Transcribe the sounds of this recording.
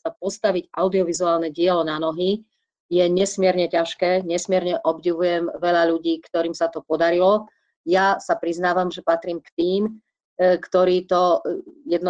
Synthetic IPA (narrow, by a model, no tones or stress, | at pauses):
sapɔst̪aʋiɟʔaʊd̪iɔʋizuaːlnɛɟɪɛlɔnanɔɦi | jɛɲɛsmɪɛɾɲɛcaʃkɛːɲɛsmɪɛɾɲɛʔɔbɟiʋujɛmʋɛʎaʎuɟiːkt̪ɔɾiːmsat̪ɔpɔd̪aɾilɔ | jasapɾiznaːʋamʒɛpat̪ɾiːmkt̪iːm | kt̪ɔɾiːt̪ɔjɛd̪nɔ